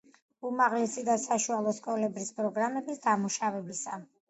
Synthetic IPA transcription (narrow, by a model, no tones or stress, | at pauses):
umaʁlɛsid̪asaʃualˠɔskʼɔlɛbɾispʼɾɔɡɾamɛbisd̪amuʃavɛbisa